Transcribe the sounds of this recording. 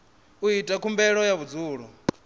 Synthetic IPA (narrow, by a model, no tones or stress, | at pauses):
uitʼakʰumbɛɺɔjaβud͡zuːɺɔ